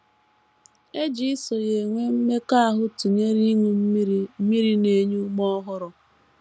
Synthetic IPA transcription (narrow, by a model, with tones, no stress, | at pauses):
e˦d͡ʒi˦ɪ˦so˨je˨ŋʷe˦m̩˦me˦ka˦a˦˨ɦʊ˦tu˨ɲe˦ɾi˦ŋu˦m̩˦mi˦ɾi˨ne˦ɲu˦mɔ˦ɦʊ˦ɾʊ˨